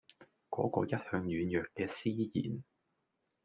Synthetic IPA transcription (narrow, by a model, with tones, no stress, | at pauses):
kɔː˨˥kɔ̰ː˧jɐ˥t̚hœː˧ŋjyː˨˧njœː˨kkːɛː˧siː˥jḭː˨˩n